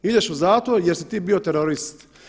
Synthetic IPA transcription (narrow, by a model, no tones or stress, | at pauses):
id̪eʃuzaːt̪ʋoɾjeɾsit̪iːbiot̪eɾoɾist̪